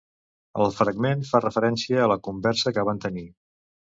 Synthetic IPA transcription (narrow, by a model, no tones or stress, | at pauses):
ə̰lˠfɾəɡmenfarəfəɾɛnsiəːləkumbɛɾsəkəβant̪əni